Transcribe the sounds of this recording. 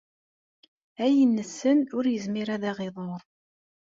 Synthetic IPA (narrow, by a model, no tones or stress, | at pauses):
æjənːəsːənʊɾjəzmiɾæðæʁeðˤoɾˤ